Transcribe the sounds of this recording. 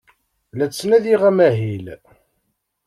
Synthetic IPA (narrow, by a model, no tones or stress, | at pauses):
læt͡sːnæðiʁæmæɦil